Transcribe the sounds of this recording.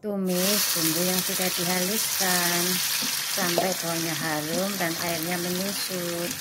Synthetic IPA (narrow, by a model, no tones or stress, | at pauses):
t̪umɪsb̥uŋɡujaŋsidaʔd̥iɦaliskan | sampajt̪aɲaɦaɾʊmdanʔa̰ɪrɲaməɲusu | t̪̚